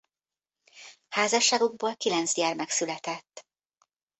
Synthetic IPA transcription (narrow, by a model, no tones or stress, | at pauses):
haːzɒʃːaːɡuɡ̚boːlkilɛnt̪sjɛrmɛksylɛt̪ɛt̪ː